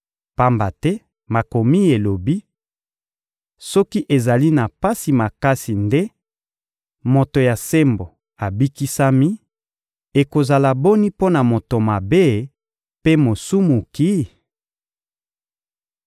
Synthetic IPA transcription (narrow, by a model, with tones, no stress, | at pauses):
pa˦mba˨tɛ˦ | ma˨ko˨mi˦e˨lo˨bi˦ | sɔ˦ki˦ʔe˨za˨li˦na˨pa˦si˨ma˨ka˦si˨nde˦ | mo˨to˨ja˨se˦mbo˨ | a˨bi˦ki˦sa˦mi˦ | e˨ko˨za˨la˨bo˦ni˦po˦na˨mo˨to˨ma˨be˦ | pe˦mo˨su˦mu˨ki˦